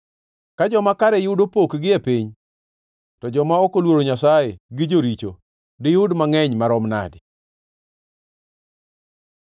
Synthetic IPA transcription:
kad͡ʒɔmakaɾɛjʊdopokɡɪepiɲ | tɔd͡ʒɔmaɔkolwoɾoɲasajeɡɪd͡ʒoɾit͡ʃo | dɪjʊdmaŋɛɲmaɾɔmna̰dɪ

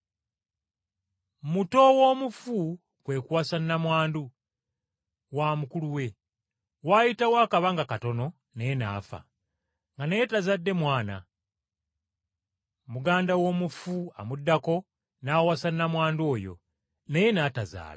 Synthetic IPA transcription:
muto̞wo̞ːmufu | kwe̞kwaːsanːamwaːndu | waːmukuluwe̞ | waːjitawaːkaβaŋɡakato̞no̞ | neje̞na̰ːfa̰ | ŋɡaneje̞tazadːe̞mwaːna̰ | muɡaːndawo̞ːmufua̰mudːako̞ | naːwasanːamwaːndo̞ːjo̞̰ | neje̞naːtaza̰ːla

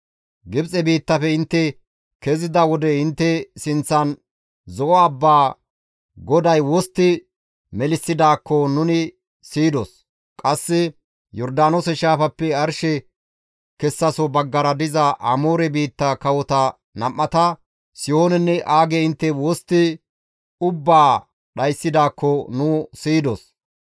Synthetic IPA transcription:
ɡɪbt͡sʼɛbiːt̪ːɐfɛɪnt̪ːɛ | kezɪd̪ɐwɔd̪ɛɪnt̪ːɛsɪnt͡sːɐn | zɔʔɔɐbːaː | ɡɔd̪ɐjwɔst̪ːɪ | mɛlɪsːɪd̪aːkːɔnʊnɪ | siːd̪ɔs | kʼɐsːɪ | jɔɾd̪aːnosɛʃaːfɐpːɛɐɾʃɛ | kɛsːɐsɔbɐɡːɐɾɐd̪ɪzɐʔɐ̰moːɾɛbiːt̪ːɐkɐwɔt̪ɐ | nɐmːɐt̪ɐ | sɪjoːnɛnːɛʔaːɡeɪnt̪ːɛwɔst̪ːɪ | ʊbːaː | ɗɐjsːɪd̪aːkːɔnʊːsiːd̪ɔs

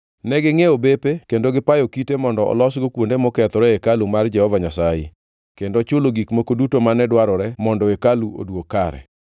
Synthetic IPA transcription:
nɛɡɪŋeobepekendoɡɪpajokitemɔndɔʔɔ̰lɔsɡokwondemɔkɛt̪ɔɾɛekalumard͡ʒɛhɔvaɲasajḛ | kendot͡ʃʊloɡikmokodutomanɛdwaɾɔɾɛmɔndɔekaluo̰dwokːaɾɛ̰

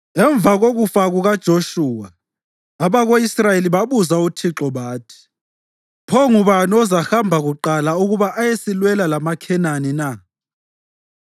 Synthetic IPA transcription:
ɛɱb̪vʱaɣoɣufaɣuɣad̥ʒ̥ʱoʃuːwaː | βaɣoisrajeliβaβuzautʰiǁɔβaːtʰi̥ | pʰɔŋuβanɔzaxambʱaɣuǃalauɣuβaʔajesilwɛlalamakʰɛnanina

